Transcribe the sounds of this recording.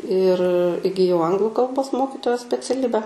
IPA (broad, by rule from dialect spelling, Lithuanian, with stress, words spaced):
ɪr ɪɡʲɪˈjɛʊ ˈɐŋɡlˠʊ kɐlˠˈboːs ˈmoːkʲɪtoːjoːs sʲpʲɛt͡sʲɛˈlʲɪbʲɛ